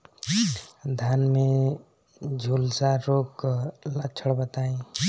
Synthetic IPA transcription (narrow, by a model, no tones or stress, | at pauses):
d̪ʱanmẽ | d͡ʒʱulsaɾoːkːlət͡ʃʰəɽbət̪aːẽ